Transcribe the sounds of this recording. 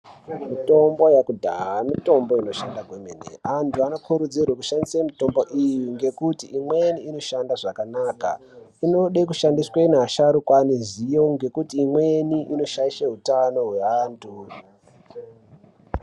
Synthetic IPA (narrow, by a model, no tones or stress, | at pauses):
mito̞mbo̞jakudʱa̰ɦamito̞mbo̞ino̞ʃandaɡwemḛnḛantʰuano̞kʰuɾud͡zirwakuʃandisemito̞mbo̞ʔijuŋɡe̞kutiimwe̞niːno̞ʃandaʐakanaːka̰ | ino̞ɗek̬uʃandisweneɦaʃaɾukwanizijo̞ŋɡe̞kutiːmwe̞niʔino̞ʃaiʃeɦutano̞ɦwe̞aːntʰu